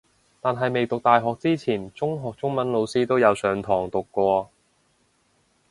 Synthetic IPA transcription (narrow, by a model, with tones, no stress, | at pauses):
t̪aː˨nɦɐ˨jme˨jt̪ʊ˨k̚t̪aː˨jɦɔː˨k̚t͡siː˥t͡sʰiː˨˩nt͡sʊ˥ŋɦɔː˨k̚t͡sʊ˥ŋmɐ˨˥nlo˨˧wsiː˥t̪o˥wjɐ˨˧wsœː˨ŋt̪ʰɔː˨˩ŋt̪ʊ˨kːʷɔː˧